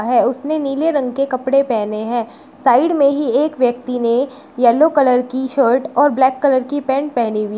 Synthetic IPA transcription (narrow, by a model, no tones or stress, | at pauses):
ɦɛːʊsneniːleɾɐ̃ŋɡkekɐpɽepɛɦneɦɛ̃ː | saːɪɽmẽɦieːkʋjɐk̚t̪ine | jɛːlːokɐləɾkiʃəːɾʈɔːɾblɛːkːɐləɾkipɛ̃ːɳʈ̚pɛɦniwi